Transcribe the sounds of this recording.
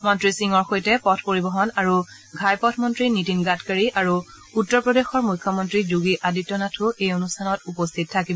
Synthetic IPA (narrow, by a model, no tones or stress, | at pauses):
mɔntɹisiŋɔɹxojtɛpɔtʰpoɹibɔɦɔnaɹu | ɡʱajpɔtʰmɔntɹinitinɡatkaɹiʔaɹu | utːɔɹpɹɔdexɔɹmujkʰːɔmɔntɹizuɡiʔaditːɔnatʰʊejonustʰanɔtupɔstʰit̚tʰːakibɔ